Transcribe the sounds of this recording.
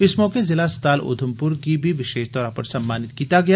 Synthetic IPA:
ɪsmɔːkezɪlast̪aːlo̰ːd̪ʱʊmpʊɾkibʱiʋɪʃeːʃt̪ɔːɾapəɾsɐmːaːnɪt̪kiːt̪aɡɐja

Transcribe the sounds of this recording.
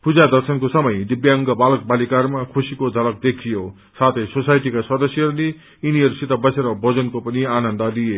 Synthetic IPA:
pud͡zad̪ʌrsʌnkosʌmʌjd̪ibjaʌŋɡʌbalʌk̚balikarmakʰusikod̪ʱʌlʌk̚d̪ekʰijo | sat̪ʰʌjsosajʈikaswʌd̪ʌsjʌɦʌɾule | iniɦʌɾusit̪ʌbʌseɾʌbʌd͡zʌnkopʌnianʌnd̪ʌlije

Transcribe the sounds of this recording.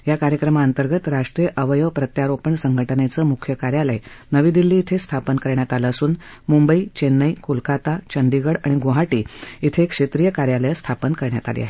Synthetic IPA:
jakaɾjəkɾəmaːnt̪əɾɡət̪ɾaʂʈɾijəʔəʋəjəʋpɾət̪jaɾopəɳsəŋɡʱəʈʰənet͡səmukʰjəkaɾjaləjnəʋiːd̪ilːiːt̪ʰest̪ʰapənkəɾɳjat̪aləəsuːn | mumbəit͡ɕenːəjkulkat̪at͡ɕənd̪iɡəɽaɽ̃iɡoɦaʈiːit̪ʰekʂet̪ɾiːjəkaɾjaləjəst̪ʰapənkəɾɳja̰t̪alḛa̰ɦe

